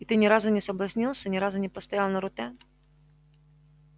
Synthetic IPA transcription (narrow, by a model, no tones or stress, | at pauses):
it̪ɨnʲɪɾazʊnʲɪsəblˠɐsʲnʲilˠsʲənʲɪɾazʊnʲɪpəst̪ɐjalˠnəɾʊt̪ɛ